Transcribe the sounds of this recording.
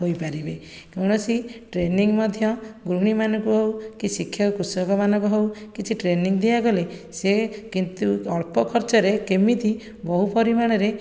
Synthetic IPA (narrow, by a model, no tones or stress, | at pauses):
ɦojpaɾibe | kawɽ̃ɔsiʈɾeniŋmɔd̪ʱjɔɡɾuɽ̃imanɔŋkuɦowkisikʰjɔkɔkusɔkɔmanɔ̃ŋkuɦowkit͡ʃʰiʈɾeniŋd̪iaɡɔlesekint̪uɔɭpɔkʰɔɾt͡ʃɔɾekemit̪i | bɔɦupɔɾimaɽ̃ɔɾe